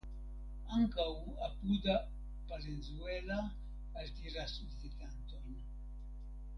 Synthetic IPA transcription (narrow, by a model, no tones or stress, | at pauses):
aŋkaw | apuda | palenzuelaː | ltiɾasut͡sit̪anto̞n